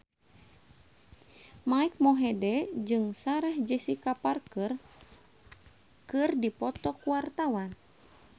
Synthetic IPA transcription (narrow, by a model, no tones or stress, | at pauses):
maik̚mɔɦɛdɛd͡ʒɨŋsaɾɛhd͡ʒəsikaparkɨr | kɨrdipɔt̪ɔkuwart̪awan